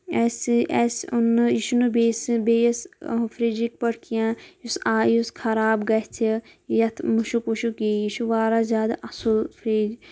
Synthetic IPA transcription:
ɛsɛsunjiʃunubeːsbeːjsfʰɾiːd͡ʒik̚pɐɽkʰijãːjusaːjuskʰɐɾaːbɡɐt̪ʰi | jɐt̪ʰmuʃukuʃukijiʃuʋaːɾazʲjaːd̪aʔɐsulfʰɾeːd͡ʒ

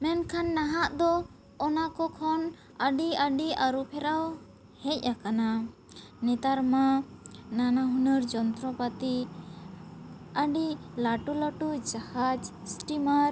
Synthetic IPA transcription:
mɛnkʰanːaɦaʔd̪ɔː | nakɔkʰɔn | əɖiəɖiaɾupʰɛɾaw | hɛc̚ˀakana | nɛt̪aɾmananaɦunəɾd͡ʒɔnt̪ɾɔpat̪i | əɖilaʈulaʈud͡ʒahad͡ʒsʈimaɾ

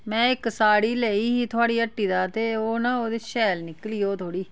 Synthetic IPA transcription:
mɛ̃ːɪksaːɽiːleːiːɦiːt̪ʰʊaːɽiːəʈːiːd̪aːt̪eːoːnaːoːd̪eːʃɛːlnɪkliːoːt̪ʰoːɽiː

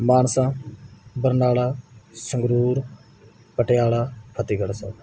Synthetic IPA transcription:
maːnsãːbəɾnaːlaːsə̃ŋɡɾuːɾ | pəʈɪjaːlaːpʰət̪iːɡəɽsãː

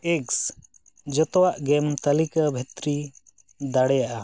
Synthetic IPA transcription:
eks | d͡ʒɔt̪ɔwaʔɡɛmt̪əlikabʱɛt̪ɾi | d̪aɽɛjaʔa

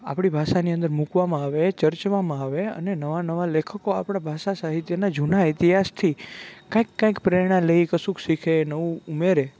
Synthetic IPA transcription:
a̰pɽ̃ibʱaʃaniə̃nd̪əɾmukʋamãaʋet͡ʃəɾt͡ʃʋamãaʋeə̰nenəʋanəʋalekʰəkoapɽ̃abʱaʃasaɦit̪jənad͡ʒunaɪt̪iɦast̪ʰikãikːãĩkpɾeɾɽ̃ãləikəsũkʰsikʰenəʋũumeɾe

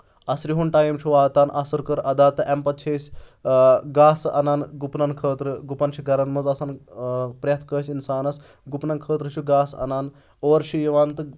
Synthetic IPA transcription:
ɐsɾiɦunʈaːjimt͡ʃʰiʋaːt̪aːnʔɐsɐɾkɐɾɐd̪aːt̪ɨʔempɐt̪̚t͡ʃʰeːsʲ | ɡaːsʔɐ̰nanɡupnɐnkʰəːt̪ɾɨɡupɐnt͡ʃʰiɡɐɾɐnmɐzɐsɐnpɾʲɐt̪ʰkəːsʲinsaːnɐs | ɡupnɐnkʰəːt̪ɾɨt͡ʃʰuɡaːsɐ̰naːn | oːɾʃijiʋaːnt̪ɨ

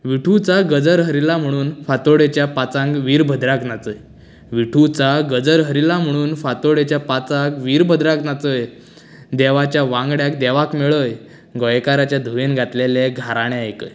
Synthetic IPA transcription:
ʋiʈʰut͡saɡəd͡zəɾɦəɾilam̤əɽ̃uːnfat̪oɽet͡ɕjapat͡sãŋkʋiːɾbʱəd̪ɾaknat͡səj | ʋiʈʰut͡saɡəd͡zəɾɦəɾilam̤əɽ̃uːnfat̪oɽet͡ɕjapat͡sakʋiːɾbʱəd̪ɾaknat͡səj | d̪ɛʋat͡ɕjaʋãŋɡɽjak̚d̪ɛʋakmeɭəj | ɡɔjkaɾat͡ɕjad̪ʱuʋenɡʱat̪leleɡʱaɾaɽ̃eajkəj

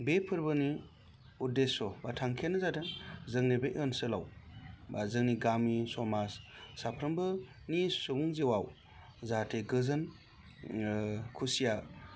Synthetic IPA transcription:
bepʰɯɾbɯni | udesɔbatʰaŋkʰenɯzatʰezɯŋnebeʔɯnsɯlawbazɯŋniɡamisɔmassapʰɾɯmbɯ | nissubuŋzewaw | zatʰeɡɯzɯn | kʰusija

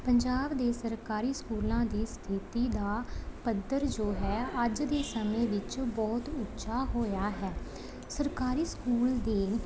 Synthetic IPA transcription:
pəɲd͡ʒaːbd̪eːsəɾkaːɾiːskuːlãːd̪iːst̪ʰit̪iːd̪aːpəd̪əɾd͡ʒoːɦɛːəd͡ʒd̪eːsəmẽːʋɪt͡ʃbɔːt̪ʊtːʃʰaːɦoːjaːɦɛː | səɾkaːɾiːskuːld̪eː

